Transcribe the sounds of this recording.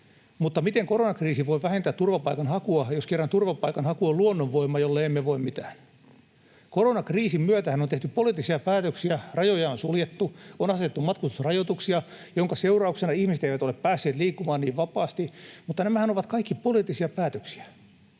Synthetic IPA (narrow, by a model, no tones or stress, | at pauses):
mut̪ːɑmit̪eŋkoronɑkriːsiʋoiʋæhent̪æːt̪t̪ːurʋɑpɑikɑnhɑkuɑjoskerːɑnt̪urʋɑpɑikɑnhɑkuɑluonːoʋʋoimːɑjolːeeimːeʋoimmit̪æːn | koronɑkriːsimmyøt̪æhænont̪eht̪yppoliːˑt̪ːˑisiɑpæːt̪øksiærɑjojɑonsuljet̪ːuonɑset̪et̪ːumɑt̪kust̪u̥srɑjot̪uksiɑ | joŋkɑseurɑuksenɑihmiset̪eiʋæt̪oleppæːsːeːt̪liːkːumɑːniːʋʋɑpɑːst̪imut̪ːɑnæmæhænoʋɑt̪kɑikːipoliːt̪ːisiɑpæːt̪øksi̥æ̥